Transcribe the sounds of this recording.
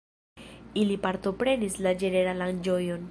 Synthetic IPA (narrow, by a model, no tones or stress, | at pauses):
ilipaɾt̪o̞pɾe̞nislad͡ʒe̞ne̞ɾaland͡ʒojo̞n